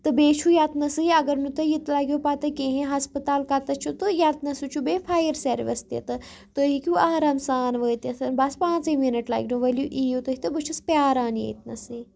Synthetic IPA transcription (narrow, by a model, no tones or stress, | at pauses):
t̪ɨbeːt͡ʃʰujat̪nɐsɨiɐɡɐɾnut̪ɐjit̪laːɡʲjopat̪ɐkʲẽɦẽɦɐspət̪aːlkɐt̪ɐt͡ʃʰut̪ɨjat̪nɐsut͡ʃʰubeːfʰaːjəɾseɾʋɐ̰st̪jḛt̪ɨ | t̪ɨɦikʲjuaːɾaːmsaːnʋəːt̪ɐsʰɐnbɐspãːnt͡sɨminɐʈla̰ːɡʲnuʋɐljuʔijut̪əɦit̪ɨbɨt͡ʃʰɐspjaːɾaːnjḛjt̪nɐsɨ